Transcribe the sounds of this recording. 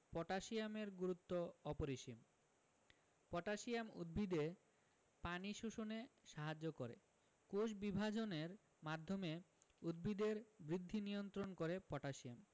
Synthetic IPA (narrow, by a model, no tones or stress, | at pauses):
pɔʈaʃiameɾɡuɾut̪ːoɔpoɾiʃim | pɔʈaʃiamṵd̪̚bʱid̪e | paniʃoʃoneʃaɦad͡ʑːokoɾḛ | koʃbibʱad͡ʑoneɾ | mad̪ʱːomeud̪̚bʱid̪eɾbɾid̪ʱːinijont̪ɾonkoɾepɔʈaʃiam